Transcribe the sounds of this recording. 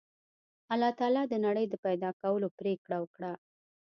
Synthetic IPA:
alɑt̪ɑlɑd̪ənaɽəjd̪əpajd̪ɑkawəlopɾekɽawəkɽa

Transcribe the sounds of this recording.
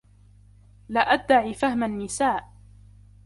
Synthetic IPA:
laʔad̪ːaʕiːfahmanːɪsaːʔ

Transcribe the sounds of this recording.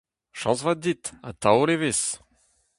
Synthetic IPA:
ʃɑ̰̃svad̪it̪a̰t̪ʰawoleves

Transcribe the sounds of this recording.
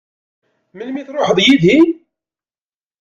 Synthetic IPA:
mənmiθɾˤoħəðˤjiði

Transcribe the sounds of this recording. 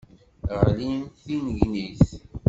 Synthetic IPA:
ʁlinθinʝniθ

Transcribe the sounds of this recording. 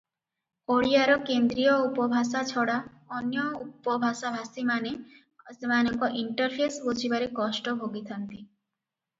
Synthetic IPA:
oɽiaɾɔkend̪ɾijɔupɔbʱasat͡ʃʰɔɽa | ɔnjɔupɔbʱasabʱasimane | semanɔŋkɔʔiɳʈɔɾpʰesbod͡ʒʰibaɾekɔsʈɔbʱoɡit̪ʰant̪i

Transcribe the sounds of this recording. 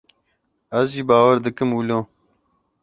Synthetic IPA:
ɐzʒiːbaːwɐɾd̪ɨkɨmwuloː

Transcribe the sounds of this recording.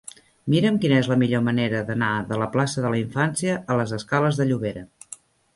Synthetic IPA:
miɾəmkinəezləmiʎoməneɾəðənaðələplasəðələiɱfansjiəːləzəskaləzðəʎuβeɾə

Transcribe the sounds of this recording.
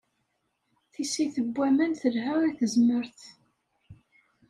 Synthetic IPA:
θisiθəbʷːæmənθəlɦæwiθəzməɾθ

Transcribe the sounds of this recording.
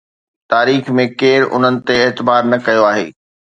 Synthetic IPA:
t̪aːɾiːxmẽkeːɾʊ̰n̤ənɪ̆t̪eɪːt̪ɪbaːɾnɐkɐjoaːɦḛː

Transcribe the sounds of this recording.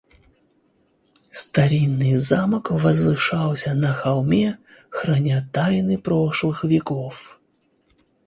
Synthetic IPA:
st̪aɾʲinːɨzamɐkvɐzvɨʂawsʲɐnɐxawmʲɛxɾanʲat̪ajnɨpɾɔʂlˠɨxvʲɛkɔf

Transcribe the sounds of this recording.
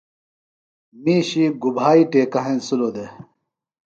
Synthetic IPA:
miːɕiɡubʱaːiʈeːkɐɦẽnsulod̪e

